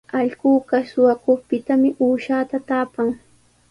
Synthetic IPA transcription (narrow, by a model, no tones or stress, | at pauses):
ɑʎɢuːɢasʊwakʊχpɪt̪amɪʔuːʃaːt̪at̪aːpaŋ